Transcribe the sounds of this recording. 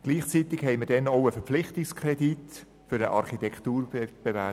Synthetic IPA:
ɡ̥liːχt͡sit̪ɪkhɛɪməd̥ɛnɔʊəfəɾp͡fflɪχtɪkskʰrɛdit | fʏɾəʔɑ̰ɾχitɛkt̪uːɾb̥ɛvæ

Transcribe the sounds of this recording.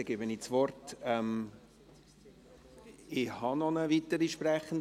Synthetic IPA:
ɛɡebənit͡sʋɔrtɛm | ɪhɑnɔnəvitəɾiʃpræχən̩d

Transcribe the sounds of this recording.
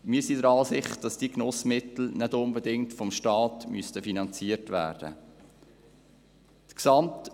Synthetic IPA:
miəsidəɾɑːsɪχt̚d̥ɑsd̥iknɔsmɪtl̩nɛdʊnbədɪŋtfɔmʃtɑːtmystəfinɑnt͡siːəɾtvæ̰ːrd̥ə̰ | d̥ksɑmt

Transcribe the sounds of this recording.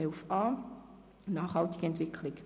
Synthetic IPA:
ɛlfɑː | nɑːχhɑltɪɡ̥əɛntv̥ɪkʰlɪk

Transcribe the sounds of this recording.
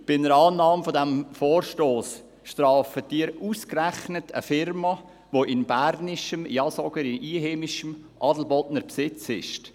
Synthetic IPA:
b̥ɪnəɾɑːnɑːmfodɛmfoːrʃtoːs | ʃtɾɑːfətiːəɾuskræχnətə̰fɪrmɑ | ʋoʔɪnbæɾnɪʃəmjɑsɔɡ̥əɾɪniːɦeːmɪʃəmʔɑdl̩bɔdnəɾpsɪt͡sɪ̰ʃt

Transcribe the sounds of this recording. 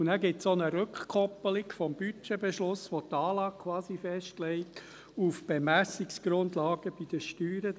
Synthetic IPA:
unæɡɪtsɔnəɾøkχkʰɔpːəlikfɔmb̥yt͡ʃebɛʃlʊsʋɔt̪ɑːlɑːkʰwɑːsifɛʃtlɛɪt̪ | ufb̥emæsiksɡ̥ɾʊndlɑːɡ̥əb̥id̥̪əʃtyːɾə

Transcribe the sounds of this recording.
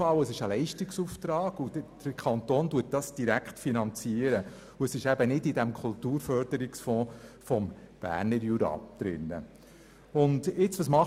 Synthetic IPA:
ɑwəsɪʃəlɛɪʃtiksuft̪ɾɑːɡ̥ud̥əkʰɑnt̪oːnduət̚d̥ɑsd̥iɾækχtfinɑnt͡siəɾə | uəsɪʃæbənɪdidæmkʰʊltuːɾfœɾd̥əɾiksfɔ̃ːfɔmb̥æ̰ːɾnəɾjuɾɑ̰d̥ɾɪ̰nːə̰ | ʊndɪt͡sʋɑsmɑχ

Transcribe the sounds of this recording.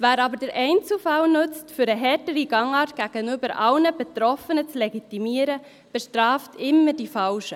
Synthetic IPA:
væːɾɑbəɾd̥əɾʔɛɪnt͡sl̩fɑlnʉt͡stfʏɾəɦɛɾtəɾiɡɑŋɑːrtɡ̥æɡ̥ənybəɾʔɑlnəbɛtɾɔfənət͡slɛɡit̪imiəɾə | b̥ɛʃtɾɑːftʰɪmːədifɑlʃə

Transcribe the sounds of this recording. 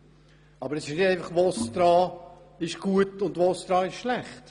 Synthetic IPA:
ɑbəɾɛsɪʃnɪdæɪfɑχʋosd̪̥ɾɑː | ɪʃɡ̥uətʊndʋoːsd̥ɾɑːɪʃʃlæχt

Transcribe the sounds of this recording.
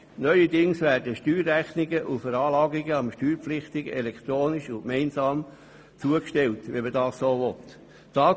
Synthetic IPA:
nœʏədɪŋsʋæːrdəʃtyːɾæχnɪɡəʔufəɾɑːlɑːɡiɡəɑmʃtyːɾpflɪχt̪ɪɡ̥ɛlɛkt̪ɾoːniʃʊkmɛɪnsɑːm | t͡suəkʃtɛltʋɛmədɑːssoːʋɔt̪ | tɑː

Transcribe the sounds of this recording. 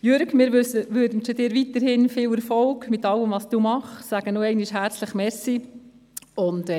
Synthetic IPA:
jøɾɡmɪːɾʋsəʋøɾdn̩ʃodɪːɾʋitəɾhɪnfɪːwɛɾfɔlɡmɪtɑləmʋɑsd̥uːmɑχsæɡ̥ənoɛɪniʃhæːɾt͡sləχmɛsi | ʊnd

